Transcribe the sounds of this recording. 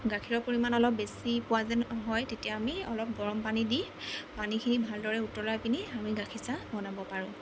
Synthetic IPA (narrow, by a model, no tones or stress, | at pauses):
ɡakʰiɹɔpoɹimanɔlɔp̚besipʊazɛnɦɔjtetijaamiɔlɔp̚ɡɔɹɔmpanidi | panikʰinibʱaldɔɹɛutɔlajpiniamiɡakʰisabɔnabɔpaɹʊ̃